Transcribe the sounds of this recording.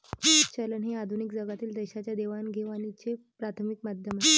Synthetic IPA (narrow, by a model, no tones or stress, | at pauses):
ət͡ɕalənɦead̪ʱunikd͡zəɡat̪iːld̪əjɕat͡ɕjad̪eʋanɡʱeʋanit͡sepɾat̪ʰəmikmad̪ʱjəmae